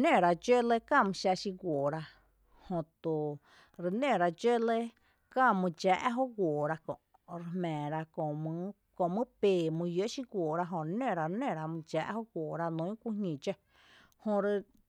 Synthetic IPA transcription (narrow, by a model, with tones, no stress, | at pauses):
nẽ˦˨ɾa˧d͡ʒe˦le˧kã˦˨mɨ̃˧˨ʃa˧ʃi˧ɡʷoː˨ɾa˧ | hõ˧t̪o˨ | ɾe˧nẽ˦˨ɾa˧d͡ʒe˦le˦˧ | kã˦˧˨mɨ̃˧d͡ʒaː˧˨ʔɦo˦ɡʷoː˨ɾa˧kõ̰˨ʔ | ɾe˧hmɛ̃ː˨ɾa˧kõ˨mɨ̃˧ | kõ˧˨mɨ̃˦peː˧˨mũ˧jo˦ʔʃi˧ɡʷoː˨ɾa˧ɦõ˧˨ɾnẽ˧˨ɾa˧ɾnẽ˦˨ɾa˧mɨ̃˧d͡ʒa˧˨ʔho˦ɡʷoː˨ɾa˧nũ˧˦ĩ˦kʷu˦ɲĩ˧˨d͡ʒe˧ | hõ˧ɾe˧